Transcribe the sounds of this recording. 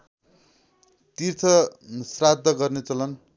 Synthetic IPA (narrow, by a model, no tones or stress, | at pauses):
t̪irt͡sʰʌsrad̪ʱːʌɡʌrnet͡sʌlʌn